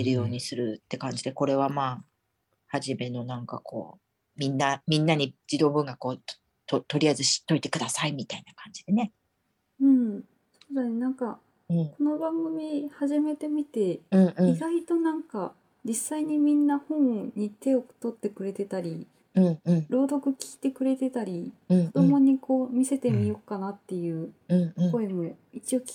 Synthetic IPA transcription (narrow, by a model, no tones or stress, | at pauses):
eɾɯjo̞ːɲ̟isɨɾɯ̟t̪ːe̞kãɲ̟d͡ʑid̪e̞ko̞ɾe̞β̞amaː | haʑime̞no̞nãŋkakʰo̞̰ː | mʲĩnːamʲĩnːaɲ̟id͡ʑid̪o̞ːbɯ̟̃ŋɡakoː | t̪ot̪o̞ɾʲiaizɨɕi̥t̪ːo̞it̪e̞̥kɯ̟d̪asaimʲit̪ainakãɲ̟d͡ʑid̪e̞ne̞ | ɯ̟̃ɴ | soːd̪anenãŋka | ɯ̟̃ɴko̞no̞bãŋɡɯ̟mʲihaʑime̞t̪e̞mʲit̪e̞ɯ̟̃ɴɯ̃iɡait̪o̞nãŋka | d͡ʑisːaiɲ̟imʲĩnːahõ̞ɰɲ̟it̪e̞o̞t̪o̞t̪ːe̞kɯ̟ɾe̞t̪e̞t̪aɾʲi | ɯ̃ɴɯ̃ɴɾo̞ːd̪o̞kɯ̟kʲi̥ːt̪e̞kɯ̟ɾe̞t̪e̞t̪aɾʲiɯ̟kːo̞d̪o̞mo̞ɲ̟iko̞ːmʲise̞t̪e̞mʲijo̞kːanat̪ːe̞jɯ̟ːɯ̟̃ɴ̃ko̞emo̞ | it͡ɕio̞kʲi̥